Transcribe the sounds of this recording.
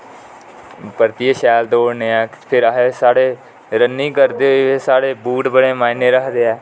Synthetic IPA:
pəɾt̪ieʃɛːld̪oːɽneːɛːpʰɪɾɦesaːɽeː | ɾənːiːkəɾd̪eːɦoieːsaːɽeːbuːʈbəɽeːmaːineːɾəkʰd̪eːɛː

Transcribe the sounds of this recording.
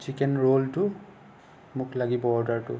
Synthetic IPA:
t͡ʃʰikɛnɹoltʊ | mʊklaɡibɔɔɹdaɹtʊ

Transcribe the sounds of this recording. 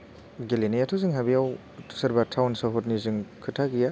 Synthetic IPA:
ɡelenijatʰozɯŋɦabijaw | sɐɾbatʰawnsaɦɔtnizɯŋkʰɯtʰaɡija

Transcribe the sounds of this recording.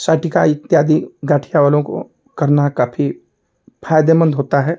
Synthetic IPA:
saːʈikaɪk̚t̪ːjaːd̪iɡaːʈʰijaʋaːlõko̰ | kɐɾnakaːfʰi | pʰaːjd̪emə̃nd̪ɦoːt̪aɦɛː

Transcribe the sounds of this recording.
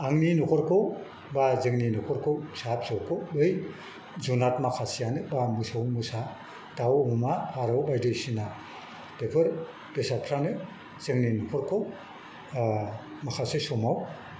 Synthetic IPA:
aŋninɔkʰɔɾkʰɯw | bazɯŋninɔkʰɔɾkʰɯwsap̚sɔwkʰowbɯj | zunat̚makʰasijanɯbamɯsawmɯsa | tawhumapʰaɾawbajdɯjsina | pepʰɯɾ | b̥esapʰɾanɯ | z̥ɯŋninɔkʰɔɾkʰow | makʰasɯsɔmaw

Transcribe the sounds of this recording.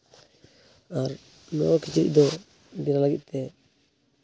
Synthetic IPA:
aɾ | nɔkit͡ʃiɾḭʔd̪ɔ | d̪inalaɡiʔ̚t̪ɛ

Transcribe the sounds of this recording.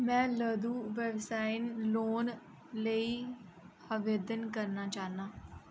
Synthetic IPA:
mɛ̃ːləd̪uːʋɛːʋsaːɪnloːn | ləi | əʋeːd̪ənkəɾnaːt͡ʃaːnaː

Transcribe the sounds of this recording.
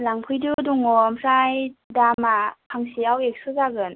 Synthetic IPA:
laŋpʰɯjdɯduŋomsajdamapʰaŋsiawek̚sɯzaɡɯn

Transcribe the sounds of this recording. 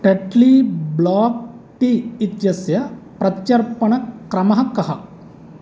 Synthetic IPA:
ʈeʈliːblaːk̚ʈiit̪jɐsjɐpɾɐt̪t͡ʃɐɾpɐɳɐkɾɐmɐɦɐkɐɦɐ

